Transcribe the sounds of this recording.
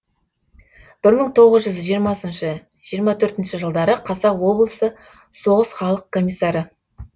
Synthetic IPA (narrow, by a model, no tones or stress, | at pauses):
b̥ɪɾməɴt̪ʰo̞ʁəzʒʏzʒijəɾmɑsənʃə | ʒ̥ijəɾmɑt̪ʰɵɾt̪ɪnʃəʒəlˠd̪ɑɾəqʰɑsɑwo̞blˠəsə | so̞ʁəsχɑlˠəq̚kʰːo̞mʲisːɑɾə